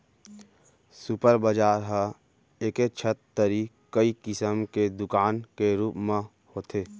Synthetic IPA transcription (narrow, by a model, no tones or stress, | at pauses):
sʊpəɾbəd͡ʒaːɾɦə̃ | eːket͡ʃʰət̪ːəɾiː | kːəikɪsəmked̪ʊkaːnkeɾuːpmẽ | hoːt̪ʰeː